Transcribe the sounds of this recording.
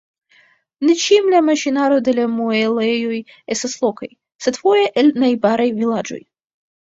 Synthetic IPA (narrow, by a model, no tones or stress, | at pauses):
net͡ʃimlamaʃinaɾo̞d̪e̞lamoelejoj | est̪aslˠokaj | se̞d̪fojeʔelʲnajbaɾajvilad͡ʒo̰j